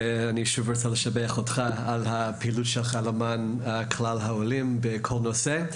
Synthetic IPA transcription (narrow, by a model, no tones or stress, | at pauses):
aniʃuvʁot͡saləʃabeaχotχaalhapʰeilutʃelχalamanakʰlalɦaolimbekʰolnose